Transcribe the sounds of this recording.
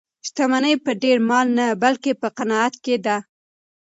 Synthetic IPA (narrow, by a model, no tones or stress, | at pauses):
st̪amanəjpəɖeɾmɑlnabalkepəqanɑat̪ked̪a